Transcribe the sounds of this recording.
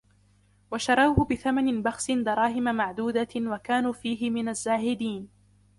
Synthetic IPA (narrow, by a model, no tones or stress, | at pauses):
waʃɑɾˤɑwhʊbɪθamanɪbɑxsɪnd̪ɑɾˤɑːɦɪmamaʕd̪uːd̪awakaːnuːfiːɦɪmɪnazːaːɦɪd̪iːn